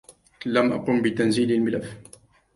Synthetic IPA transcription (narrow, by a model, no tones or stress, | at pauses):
lamʔa̰quːmbɪt̪anziːlalmɪlafː